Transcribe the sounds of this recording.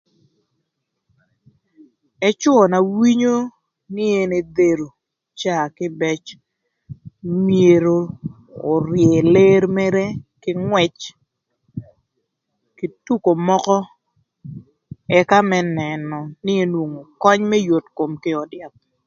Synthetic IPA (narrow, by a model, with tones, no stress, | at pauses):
ɛ˦t͡ʃwʊ˦ɔ˨na˨wi˦ɲo˦ | nɪ˦e˦ne˨d̪e˨ɾo˨ | t͡ʃa˦˨kɪ˦bɛ˦t͡ʃ | mje˨ɾo˨ | ɔ˨ɾje˨le˦ɾmɛ˦ɾɛ˦kɪ˦ŋwɛ˨t͡ʃ | ki˨tu˦ko˨mɔ˦kɔ˦ | ɛ˦ka˦mɛ˦nɛ˨nɔ˨nɪ˦e˦nwo˨ŋo˨kɔ˦ɲmɛ˦jo˨tko˨mkɪ˦ɔ˨dɪa˨p̚